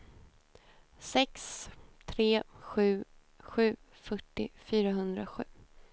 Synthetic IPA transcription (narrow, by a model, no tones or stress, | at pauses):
sɛkst̪ʰɾeːɧʉ̟ː | ɧʉ̟ː | fœʈːɪfyːɾaɦɵnd̪ɾaɧʉ̟ː